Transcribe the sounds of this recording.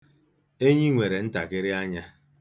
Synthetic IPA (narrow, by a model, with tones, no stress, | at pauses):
e˦ɲi˦ŋʷe˨ɾe˨n̩˦ta̰˨kɪ˦ɾɪ˦a˦ɲa˦